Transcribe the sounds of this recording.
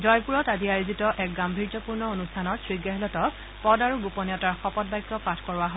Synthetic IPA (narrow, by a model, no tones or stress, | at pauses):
zɔjpuɹɔtadiaɹizitɔʔɛk̚ɡambʱiɹd͡ʒɔpuɹnɔonustʰanɔtsɹiɡɛɦɛlɔtɔk | pɔdaɹuɡupɔnjɔtaɹxɔpɔt̚bajkːɔpatʰkɔɹʊaɦo